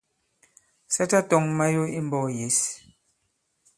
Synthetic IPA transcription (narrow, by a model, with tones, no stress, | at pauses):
sa˦ta˦tɔ˨˦ŋma˦jo˦i˦m̩˦bɔː˦˨je˨˦s